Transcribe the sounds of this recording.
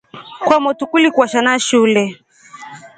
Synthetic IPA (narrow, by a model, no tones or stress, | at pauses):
kwamɔtukulikuaʃanaʃulɛ